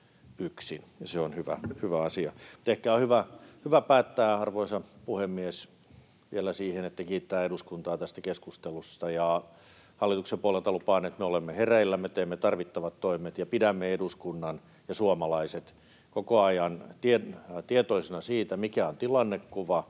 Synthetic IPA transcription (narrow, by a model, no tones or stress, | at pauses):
yksinjɑseonhyʋæ̰hyʋæɑsiɑut̪ehkæohyʋæhyʋæpæːt̪ːæːɑrʋoisɑpuhemːies | ʋielæsiːhenet̪ːækiːt̪ːæːeduskunt̪ɑːt̪æst̪ækeskust̪elust̪ɑjɑ | hɑlːit̪uksempuolelt̪ɑlupɑːnet̪meolemːeheræilːæmːet̪eːmːet̪ɑrʋit̪ːɑʋɑt̪t̪oimet̪jɑpidæmːeeduskunːɑn | jɑsuomɑlɑiset̪ | kokoɑjɑnt̪iet̪iet̪oisinɑsiːt̪æmikæont̪ilɑnːekkuʋɑ